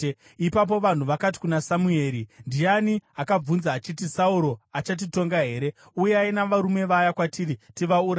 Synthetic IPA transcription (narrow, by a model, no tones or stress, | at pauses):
ipap̬o̞ʋan̤uʋakati̥kunasamue̞ːɾindijaniakab͡vunzaːt͡ʃit̬isauɾo̞at͡ʃat̬ito̞ŋɡaɦe̞ːɾe̞ | ujeainaʋaɾume̞ʋajakwatiːritiʋauɾa